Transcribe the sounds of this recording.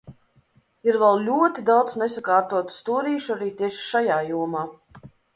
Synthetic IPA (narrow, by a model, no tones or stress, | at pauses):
iɾvɛlˠlʲuɔt̪id̪awd̪snesakaːɾt̪uɔt̪u̥st̪uːɾiːʃuaɾiːt̪ʲiɛʃi̥ʃajaːjuɔmaː